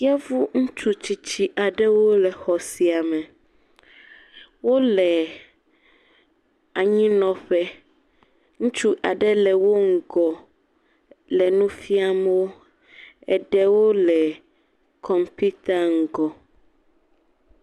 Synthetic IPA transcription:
i˦a˦vu˦ŋ̩̃˦t͡ʃu˦t͡ɕi˨t͡ɕi˦ʔa˨ɖɛ˦wo˦lɛ˨xɔ˨si˨a˨mɛ̃˨ | wo˦lɛ˨ | a˨ɲĩ˦nɔ̃˨ɸɛ˦ | ŋũ˦t͡ʃu˦ʔa˨ɖɛ˦lɛ˨wo˦ŋ̩˦ɡɔ˨ | lɛ˨nũ˦fi˦a˦m˦wo˦ | ɛ˨ɖɛ˦wo˦lɛ˨ | kʰɔ˨mpu˦t̪a˦ŋ̩˨ɡɔ˨

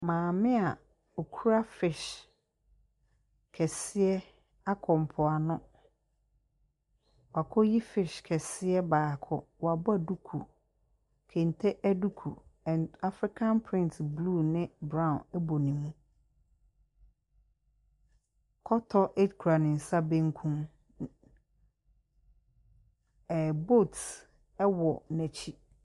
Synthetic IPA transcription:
mãː˨mɪ̃˦a˨ | o˨kʰu˦ɾa˦fɪ˨ʃ | kʰɛ˨sɪ˦ɛ˦ | a˦kʰɔ̃˨m˨pʰɔ˨a˨nʊ̃˦ | wa˨kʰɔ˦ji˦fɪ˨ʃkʰɛ˨sɪ˦ɛ˦baː˨kʰʊ˦wɔ˨a˨bɔ˦˨du˦kʰṵ˨ | kʰẽ˨n˨tʰɛ˦ʔæ˦du˦kʰṵ˨ɛ̃˨na˦fɾɪ˦kʰã˦npʰɾɪ̃˦ntʰblu˦˨nɪ̃˦bɾã˦ʊ̃˨nɛ˦bo˨nĩ˨mũ˦ | kʰɔ˦tʰɔ˦ʔe˦dkʰu˨ɾa˨nɪ̃˨n̩˨sa˦bẽ˦ŋ˦kʰũ˦m | ɛ˨bo˦˨t | ɛ˦wɔ˨nɛ̃˨t͡ɕʰi˦

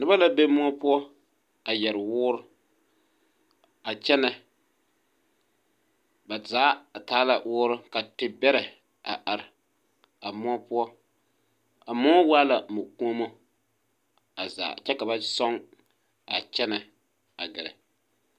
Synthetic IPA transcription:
nɨ˦ba˦la˦be˦mʊ˦ɔ˦pʊ˦ɔ˦ | a˨jɛ˨ɾɪ˨wʊː˦ɾʊ˦ | a˨t͡ʃɛ˦na˨ | ba˨zaː˨˦˨taː˦la˨wʊː˦ɾʊ˦ka˨tɪ˨bɛ˦ɾɛ˨ | a˨ʔa˨ɾɪ˨ | a˨mɔ˦pʊ˦ɔ˦ | a˨mɔ˦waː˦la˨mo˨ku˦o˦mo˦ | a˨za̰ː˨t͡ʃɛ˦ka˨ba˦sɔ˦ŋ | a˨t͡ʃɛ˦na˨ | a˨ɡɪ˨ɾɛ̰˨

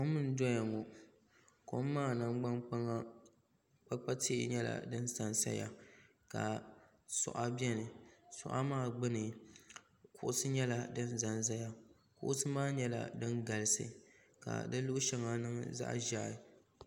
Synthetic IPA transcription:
ko˦mːɨ˦n˦dɔ˦ja˨ŋɔ˨ | ko˦mːaː˦˨na˦ŋɡ͡ba˦nk͡pa˦ŋa˦ | k͡pa˦k͡pa˦tʰḛ˦˨ɲɛ˦la̰˨dɨ˦nsa˨nsa̰˦ja̰˨ | ka̰˨ | sʊ̰˨ʔa˦bɛ˦nɨ˨sʊ̰˨ʔa̰˦maː˦˨ɡ͡bɨ˦nɨ˨ | kʊ˨ʔʊ˦sɨ˦ɲɛ˦la˨dɨ˦n˦za˨nz̬a˦ja˨ | kʊ̰˦ʔʊ˦sɨ˦maː˦ɲɛ˦la̰˨dɨ˦nɡa˨lɨ˦sɨ̰˨ | ka̰˨dɨ˦lʊ˦ʔʊ˦ʃa˦ŋa˨nɨ˦ŋza̰˦ʔʒaː˦˨

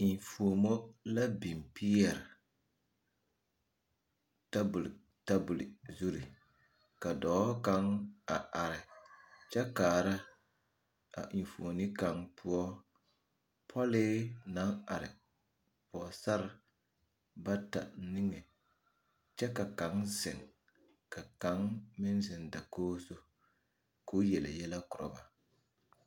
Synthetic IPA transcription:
i˨foː˨mo˦la˦bi˨mpi˦ɛ˨ɾɪ˨ | ta˦bl | ta˦bʊ˨li˨zu˦ɾi˨ | ka˨dɔ˨˦ka˨ŋa˨ʔa˨ɾɪ˨t͡ʃɛ˦kaː˨ɾa˦ | a̰˨ʔi˨n˨foː˨ni˦ka˨ŋpʰʊ˦ɔ˦ | pʰɔ˦lɪː˦na˦a˨ɾɪ̰˨ | pɔ˨sa˦ɾɪ˨ | ba˦ta˨˦nɪ˦ŋɛ˨ | t͡ʃɛ˦ka˨ka˨˦ŋzɪ˨ŋ | ka˨ka˨˦ŋmɪ˦nzɪ˨nda˨koː˦so˦ | ko˦jɛ˨lɪ̰˨jɛ˦la˦kʊ˨ɾɔ̰˨ba˨

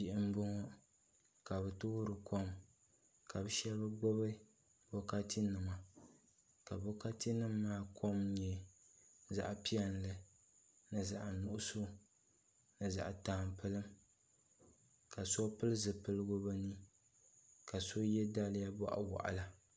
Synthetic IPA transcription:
pi˦˨ʔɪ˦m˦bʊ˦ŋɔ˦ | ka˨bɨ˨tʊ˦ɾɨ˨kʰo˦m | ka˨bɨ˦ʃɛ˦lba˦ɡ͡bʊ˦βɨ˦ | bɔ˦ka˦ti˦nɨ˨ma˨ | ka˨bo˦ka˦ti˦nɨ˦mːaː˦kʰo˦mɲɛ˨ | za̰˨ʔpi˦ɛ˦n˨lɨ˨ | nɨ˨za̰˨ʔnʊ˦ʔʊ˦so˦ | nɨ˨za̰˨ʔtaː˨mpɨ˦lɨ˦m | ka˨sɔ˦pɨ˦lɨ˦zɨ˨pɨ˦lɨ˦ɡʊ˦ba˦nɨ˦ | ka˨so˦jɛ˦da˦lɪ˦ja˦bɔ̰˦ʔa̰˨wa̰˨ʔa̰˨la˦

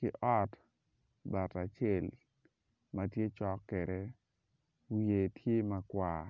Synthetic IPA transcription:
kɪ˦ʔɔ˦t | ba˨ta˨t͡ʃɛ˦˨l | ma˨tje˦t͡ʃɔ˦kːɛ˨ɾɛ˦ | je˨tʰje˦ma˨kwa˨

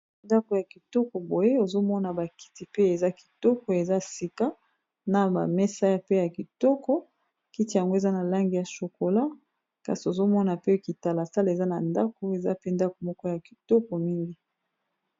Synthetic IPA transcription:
nda˦ko˨ja˨ki˨tɔ˦kɔ˨bo˨je˦o˨zo˦mɔ˦na˨ba˨ki̥˨ti˨pe˦e˨za˦ki̥˨tɔ˦kɔ˨e˨za˦si˨ka˦ | na˨ba̰˨mɛ˦sa˦ja˦pe˦ja˨ki˨tɔ˦kɔ˦ | ki˦ti˨ja˨ŋɡo˦e˨za˦na˨la˦ŋɡi˨ja˨ʃo˨ko˨la˦ | ka˨si˨o˨zo˦mɔ˦na˨pe˦ki˨ta˨la˨sa˦le˨za˦na˨nda˦ko˨e˨za˦pe˦nda˦ko˨mɔ˦kɔ˦ja˨ki̥˨tɔ˦kɔ˨mi˦ŋɡi˦

